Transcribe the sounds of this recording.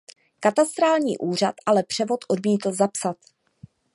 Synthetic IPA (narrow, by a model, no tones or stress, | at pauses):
kat̪ast̪ɾaːlɲiːʔuːr̝at̪ʔalɛpr̥ɛvo̞t̪ʔodmiːt̪l̩zapsat̪